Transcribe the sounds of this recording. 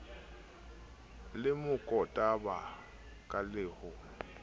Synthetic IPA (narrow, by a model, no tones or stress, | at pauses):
lɪmʊkʼɔtʼaba | kʼalɪːhʊ